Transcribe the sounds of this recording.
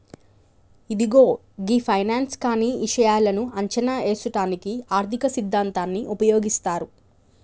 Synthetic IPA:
id̪iɡo̞ː | ɡipʰɐjnaːnskaːniiʂɐjaːlɐnuɐɲt͡ʃɐnaːeːsuʈaːnikiaːɾt̪ʰikɐsid̪ʱːaːnt̪aːnːiʔupɐjoːɡist̪aːɾu

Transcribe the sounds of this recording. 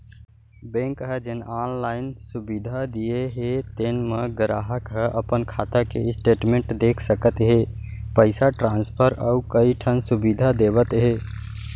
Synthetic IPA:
bẽŋkɦəd͡ʒenanlaɪnsubid̪ʱad̪ijeɦet̪enməɡəɾa̰ɦəkɦəʔəpənkʰat̪akesʈeːʈmẽɳʈd̪ekʰsəkət̪ɦepəɪsaʈɾãnspʰəɾəukəiʈʰənsubid̪ʱad̪ebət̪ɦe

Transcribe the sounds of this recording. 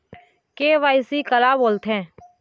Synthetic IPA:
keːʋaːɪsikəlaboːlt̪ɦɛ̃ː

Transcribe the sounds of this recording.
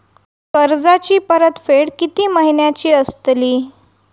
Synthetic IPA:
kəɾd͡zat͡ɕiːpəɾət̪feɽkit̪iːməɦinjat͡ɕiːəst̪liː

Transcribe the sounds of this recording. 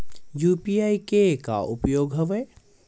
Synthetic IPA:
juːpiaːikeka̰ʔʊpjoːɡɦɐʋe

